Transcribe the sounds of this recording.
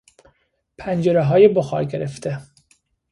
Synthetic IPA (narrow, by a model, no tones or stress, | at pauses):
pʰænd͡ʒeɾeɦɒːjeboxɒ̰ːɾɡeɾeft̪ʰe